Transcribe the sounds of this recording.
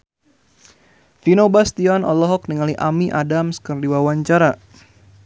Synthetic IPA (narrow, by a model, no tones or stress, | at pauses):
finobast̪iɔnɔ̰lɔɦɔk̚niŋaliʔamiʔadamskɨrdiwawaɲt͡ʃaɾa